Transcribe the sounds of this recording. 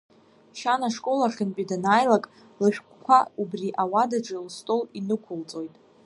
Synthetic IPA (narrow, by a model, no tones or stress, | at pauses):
ʃanaʂkʼo̞laχʲɪnpʼidanajlakʼ | lɨʃᶣkʷʰkʷʰa̰ubriʔawadaʈ͡ʂʼɨlstʼolinɨkʷʰʊlt͡sʼo̞jtʼ